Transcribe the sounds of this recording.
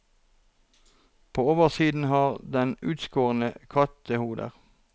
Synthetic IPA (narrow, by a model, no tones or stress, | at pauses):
pʰoːoːʋəʁsiːd̪n̩hɑːʁd̪ɛnʉːt̪skoːʁənəkʰɑt̪əhuːd̪ə̰ʁ